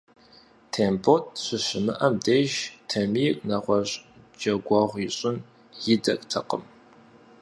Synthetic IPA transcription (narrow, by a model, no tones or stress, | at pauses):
tʰeːmbʰotʰʼɕʷɨɕɪmɨʔɐmdeːʒtʰɐmiːkʼnɐʁʷɔɕʼ | d͡ʒɐɡʷɑːʁʷiɕʼɪn | jɪdɐkʼtʰɐqʼəm